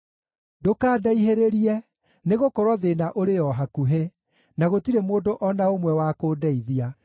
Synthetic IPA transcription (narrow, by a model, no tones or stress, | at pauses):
dokaːdaiɦeɾeɾiɛ | neɣokɔɾwɔðenaʔoɾejɔɦakuɦe | naɣotiɾemoːndoʔɔnaomwɛwaːkoːdɛiðia